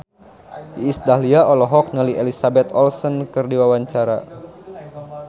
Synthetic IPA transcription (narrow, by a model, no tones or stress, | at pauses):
iːsd̪aɦliaʔɔlɔɦɔk̚nəliʔelisabɛt̪ɔlsɔnkɨrdiwawaɲt͡ʃaɾa̰